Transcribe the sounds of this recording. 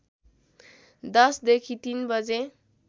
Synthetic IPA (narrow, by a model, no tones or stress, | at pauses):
d̪ʌsd̪ekʰit̪inbʌd͡ze